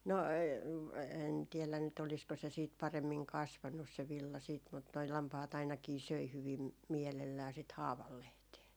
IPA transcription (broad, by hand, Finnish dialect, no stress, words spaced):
no en tiɛlæn nyt olisko se siːt pɑremːiŋ kɑsʋɑnːus se ʋilːɑ siːt mut noi lɑmpɑhɑt ɑinɑkiː søi hyʋim miɛlelːæː sit hɑːʋɑlːehteː